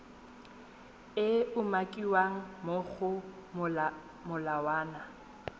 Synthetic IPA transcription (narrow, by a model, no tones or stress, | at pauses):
ɪʊmakʼiwaŋ̩moɣʊ | mʊlawaːna